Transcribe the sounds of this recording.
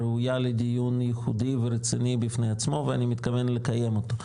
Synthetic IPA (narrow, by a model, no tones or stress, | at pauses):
ɾeujaled̪ijunjeχud̪iveɾet͡sinibifnejat͡smo̞veanimit̪kavenlekaje̞mot̪o